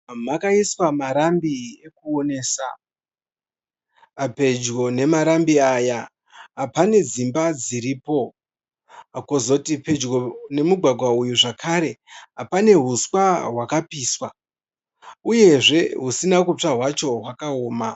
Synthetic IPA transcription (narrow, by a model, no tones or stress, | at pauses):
makaiswamaɾambie̞kuo̞ne̞ːsa | ape̞d͡ʒɡo̞ne̞maɾambiaja | ɦapane̞d͡zimbad͡ziɾiːpo̞ | akozo̞tipe̞d͡ʒɡone̞muɡʱwaɡʱwaujuʐakʰaɾe̞ɦapane̞ɦuswaɦwakapiːswa | uje̞ʐe̞ɦusinakut͡ʂaɦwat͡ʃo̞ɦwakaoːma